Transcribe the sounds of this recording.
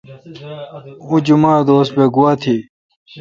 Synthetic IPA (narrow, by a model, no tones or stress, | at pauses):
ud͡ʑumaːd̪oːsbeɡuwaːt̪ʰi